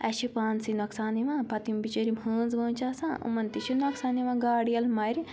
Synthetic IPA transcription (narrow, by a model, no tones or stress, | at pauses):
ɐʃipaːnsinɐksaːniʋãːpɐt̪imbit͡ʃɐɾimhəːnzʋɐːnt͡ʃaːsãːʔṵmɐnt̪iʃinɐksaːniʋãːɡaːɽijɐlmɐjɾi